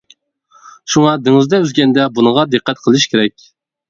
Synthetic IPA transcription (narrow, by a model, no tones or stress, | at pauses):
ʃuŋɑd̪ɪŋɨzd̪ɛøzɡʲɛnd̪ɛbunəʁɑd̪ɨqʰːæt̪̚qʰəlˠɨʃkʲʰeɾɛk̚ʲ